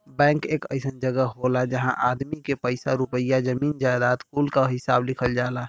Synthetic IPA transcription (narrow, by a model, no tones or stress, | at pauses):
bɛ̃ːŋkekə̰ɪsənd͡ʒəɡəɦolad͡ʒəɦãʔad̪mikepəɪsaɾupəjad͡ʒəmiːnd͡ʒajd̪aːt̪kulkaɦɪsaːblɪkʰəld͡ʒaːla